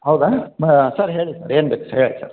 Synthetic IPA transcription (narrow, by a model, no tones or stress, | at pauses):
hɐʊðaːsaːɾɦeːɭisa̰ːɾeːnbɐkːeːɭːsa̰ːɾ